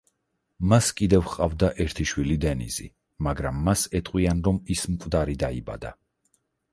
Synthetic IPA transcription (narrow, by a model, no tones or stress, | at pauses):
maskʼid̪ɛvχqʼavd̪aʔɛɾt̪ʰiʃwilid̪ɛnḭzḭ | maɡɾamːasɛt̪ʼqʼwianɾɔmismkʼd̪aɾid̪aiba̰d̪a